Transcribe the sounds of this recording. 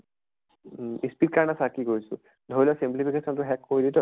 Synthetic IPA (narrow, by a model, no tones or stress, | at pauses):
ispit̚kanasakiɡojsṵ | d̪ʱoilɔsimplipʰikesɔntʊɦɛkːoiditɔ